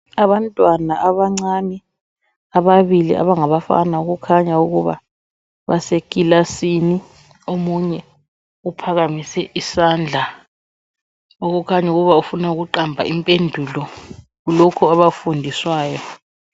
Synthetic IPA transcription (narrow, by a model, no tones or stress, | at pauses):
aβantʼwanaʔaβaŋ͡ǀani | aβaβilḭʔa̰βaŋaβafa̰nauɣukʰaɲauɣuβa̰ | βasekilasini | omuɲɛ | upʰaɣamisɛʔisand͡ɮʱa | oɣukʰaɲauɣuβaufunauɣuǃambʱa̰ʔimpʼendʱulɔ | ɣulɔkʰɔaβafundʱiswaːjɔ